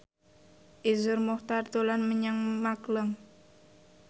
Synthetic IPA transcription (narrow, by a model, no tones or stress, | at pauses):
ʔizʊrmɔht̪art̪ulanməɲaŋmakləŋ